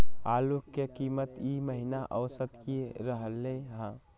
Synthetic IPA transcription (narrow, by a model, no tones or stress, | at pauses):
aːlukːekiːmət̪iməɦinaʔəʋsət̪kiɾəɦəlːeɦãː